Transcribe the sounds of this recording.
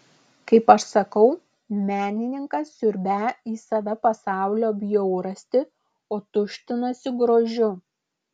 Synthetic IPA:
kɐɪpɐʃsɐkɐʊ | mʲæːnʲɪnʲɪŋkɐsːʲʊɾʲbʲæiːsɐʋʲɛpɐsɑˑʊlʲoːbʲjoʊɾɐsʲt̪ʲɪ | oːt̪ʊʃʲt̪ʲɪnɐsʲɪɡɾoːʒʲʊ

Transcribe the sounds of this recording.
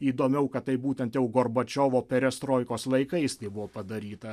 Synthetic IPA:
iːd̪oːmʲɛʊkɐt̪t̪ːɐɪbuːt̪ʲɛnt̪jɛʊɡoɾbɐt͡ʃʲoːʋoːpʲɛɾʲɛst̪ɾoːɪkoːslˠɐɪkɐɪst̪ɐɪbʊʋoːpɐd̪ɐɾʲiːt̪ɐ

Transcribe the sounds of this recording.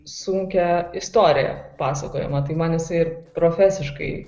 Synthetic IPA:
sʊŋʲkʲɛɪst̪oːɾʲɪjɛ̰pɑːsɐkoːjɛ̰mɐt̪ɐɪmɐnɪsɐɪɪrpɾoːfʲæsʲɪʃkɐɪ

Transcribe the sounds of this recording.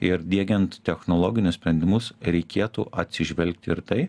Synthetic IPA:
ɪɾd̪ʲiɛɡʲɛnt̪t̪ʲɛxnɔlˠɔɡʲɪnʲʊssʲpʲɾʲɛnʲd̪ʲɪmʊsɾʲɛɪkʲeːt̪ṵːʔɐt̪ʲsʲɪʒʲʋʲɛlʲk̚t̪ʲɪɾt̪ɐɪ

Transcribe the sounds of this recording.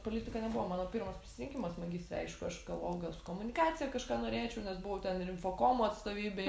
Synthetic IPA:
poːlʲɪt̪ʲɪkɐnʲɛbuʋomɑːnoːpʲiːɾmɐspʲɾʲɪsʲɪɾʲɪŋʲkʲɪmɐsmɐŋʲɡʲiːsʲt̪ʲɛ̰ɛ̰ɪʃkʊɐʃkɐlˠʋɐʊɡɐlˠsʊ̥koːmʊnʲɪkɑːt̪t͡s̪ʲɪjɛkɐʃkɑːnoːɾʲeːt͡ʃʲɛʊnʲɛsbʊʋʊt̪ʲɛnrʲɪmfoːkoːmʊɐt̪st̪oːʋʲiːbʲɛ

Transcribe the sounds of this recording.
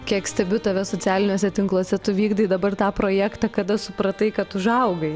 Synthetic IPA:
kʲiɛksʲt̪ʲɛbʲʊt̪ɐʋʲɛsoːt͡sʲæːlʲɪnʲoːsʲɛt̪ʲɪŋklˠoːsʲɛt̪ʊʋʲiːɡd̪ɐɪd̪ɐbɐrt̪ɑːpɾoːjæːkt̪ɑkɐd̪ɐsʊpɾɐt̪ɐɪkɐtt̪ʊʒɐʊɡɐɪ

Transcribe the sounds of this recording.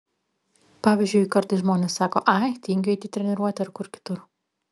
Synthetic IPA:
pɑːʋʲizʲd͡ʒʲʊɪiːkɐɾt̪ʊʒmoːnʲeːsːɑːkoːʔɑɪt̪ʲiːŋʲɡʲʊɛɪt̪ʲɪt̪ʲɾʲɛnʲɛɾuɔt̪ʲɪɐɾkʊɾkʲɪ̥t̪ʊɾ

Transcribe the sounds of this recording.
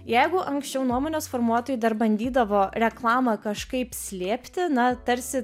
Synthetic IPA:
jɛɪɡʊʔɐŋksʲt͡ʃʲɛʊnuɔmoːnʲoːsfoːrmuɔt̪oːjʊd̪ɐrbɐnʲd̪ʲiːd̪ɐʋoːɾʲɛklˠɑːmɐkɐʃkɐɪpsʲlʲeːpʲt̪ʲɪnɐt̪ɐɾʲsʲɪ

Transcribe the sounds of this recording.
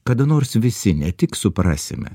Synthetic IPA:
kɐd̪ɐnoːɾsʋʲɪsʲɪnʲɛt̪ʲɪksʊpɾɑ̰ːsʲḛmʲɛ̰

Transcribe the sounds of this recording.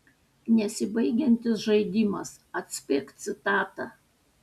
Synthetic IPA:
nʲɛsʲɪbɐɪɡʲɛnʲt̪ʲɪsʒɐɪd̪ʲɪmɐs | ɐt̪ʲsʲpʲɪkt̪sʲɪt̪ɑːt̪ɑ

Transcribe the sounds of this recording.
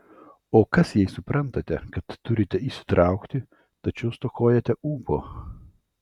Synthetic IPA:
oːkɐsjɛɪsʊpɾɐnt̪ɐt̪ʲɛkɐt̪ːʊɾʲɪt̪ʲɛiːsʲɪ̥t̪ɾʔɑˑʊkt̪ʲɪ | t̪ɐt͡ʃʲɛʊst̪okʰoːjɛt̪ʲɛuːpʰoː

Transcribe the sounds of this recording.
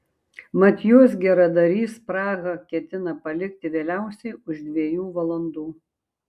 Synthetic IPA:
mɐt̪ʲjuːs̬ɡʲɛɾɐd̪ɐɾʲiːspɾɑːɣɐkʲɛt̪ʲɪnɐpɐlʲɪkt̪ʲɪʋʲeːlʲæˑʊsʲɛɪʊʒd̪ʲʋʲiɛjuːʋɐlˠɐnd̪uː

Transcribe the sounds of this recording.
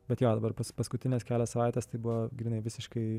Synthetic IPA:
bʲɛt̪joːd̪ɐbɐɾpɐspɐskʊt̪ʲɪnʲeːskʲæːlʲɛssɐʋɐˑɪt̪ʲest̪ɐɪbʊʋoɡɾʲɪnɐɪʋʲɪsʲɪʃkɐɪ

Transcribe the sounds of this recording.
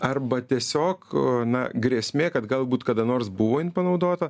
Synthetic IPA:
ɐrbɐt̪ʲiɛsʲoːknɐɡɾʲeːsʲmʲeːkɐt̪ɡɐlˠbuːt̪kɐd̪ɐnoːrsbʊʋoːɪnpɐnɐʊd̪oːt̪ɐ

